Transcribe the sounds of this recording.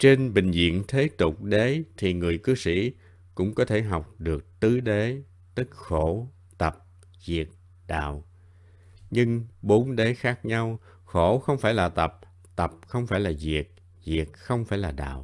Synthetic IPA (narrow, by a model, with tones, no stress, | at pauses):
t͡ɕe˧nɓï˨˩ŋ̟zḭ˧˨ənt̪ʰe˨˦t̪ʊ˨˩k͡p̚ɗe˨˦t̪ʰi˨˩ŋɨ˨˩əjkɨ˨˦sḭ˧˥ | kʊ̰˧˥ŋ͡mkɔ˨˦t̪ʰe˧˩ɦa˨˩wk͡p̚ɗɨ˨˩ək̚t̪ɨ˨˦ɗe˨˦ | t̪ɨ˦˥k̚xo˧˩ | t̪ə˨˩p̚ | zi˨˩ət̚ | ɗa̰ː˧˨w | ɲɨ˧ŋɓo˨˦nɗe˨˦xaː˦˥k̚ɲa˧w | xo˧˩xə˧wŋ͡mfaː˧˩jlaː˨˩t̪ə˨˩p̚ | t̪ə˨˩p̚xə˧wŋ͡mfaː˧˩jlaː˨˩zi˨˩ət̚ | zi˨˩ək̚xə˧wŋ͡mfaː˧˩jlaː˨˩ɗa̰ː˧˨w